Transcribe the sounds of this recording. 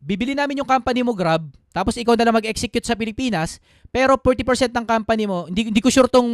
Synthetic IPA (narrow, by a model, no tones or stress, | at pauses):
bibɪlinaːmɪnjʊŋkampɐnɪmoɡɾab̚ | t̪aːpo̞sɪkawnɐlɐmɐɡɛksɛkjʊt̪̚sɐpɪlɪpiːnɐs | pɛːɾo̞pɔɹt̪ipɛɹsɛnt̪̚ɐŋkampɐnɪmo̞hɪnd̪ind̪iːkoʃuɾt̪oŋ